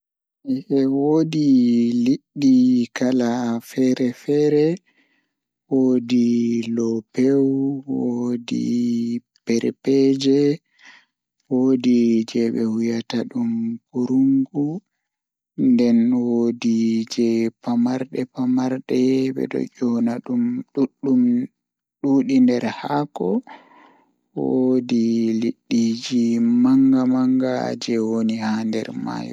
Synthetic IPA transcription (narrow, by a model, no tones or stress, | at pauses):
ʔɛwoːdiliɗːikalafɛɾɛfɛɾɛ | woːdilɔpewwodḭ | pɛɾpɛd͡ʒɛ | wodid͡ʒɛɓɛhujataɗumpuɾuŋɡu | ndɛnwodid͡ʒɛpamaɾɗɛpamaɾɗɛɓɛ̰ɗɔ̰d͡ʒɔnaɗumɗuɗːum | ɗuːɗindɛɾhakɔ | wodiliɗːid͡ʒimaŋɡamaŋɡa̰d͡ʒɛwonihandɛ̰ɾma̰jɔ̰